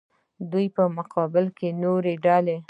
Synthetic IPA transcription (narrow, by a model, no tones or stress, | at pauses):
d̪ujpəmʊqʰɑbɪlkenoɾeɖɑle